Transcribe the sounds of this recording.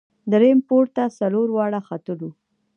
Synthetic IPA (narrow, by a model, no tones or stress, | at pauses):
d̪əɾempoɾt̪asaloɾwɑɽaxat̪əlu